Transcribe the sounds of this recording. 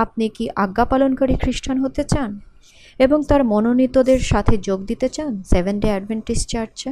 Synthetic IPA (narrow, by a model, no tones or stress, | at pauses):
ap̚nikiʔaɡːapalonkaɾikʰɾiʃʈʰanɦot̪et͡ɕan | eboŋt̪aɾmononit̪od̪eɾʃat̪ʰed͡ʑoɡd̪it̪et͡ɕansebenɖeɛɖbeɳʈisʈt͡ɕaɾt͡ɕ